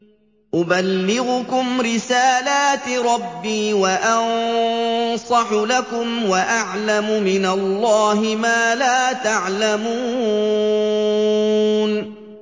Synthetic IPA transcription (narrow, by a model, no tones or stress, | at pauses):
ʔʊbalːɪɣʊkʊmɾɪsaːlaːt̪ɾˤɑbːiːwaʔɑn | sˤɑħlakʊmwaʔaʕlamʊmɪnalːɑːɦɪmaːlaːt̪aʕlamuː | n